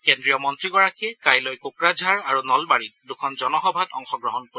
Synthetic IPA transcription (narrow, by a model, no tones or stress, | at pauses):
kendɹijɔmɔntɹiɡɔɹakʰikajlɔjkukɹad͡ʒʱaɹaɹunɔlbaɹitdukʰɔnzɔnɔxɔbʱatɔ̰ŋxɔɡɹɔɦɔnko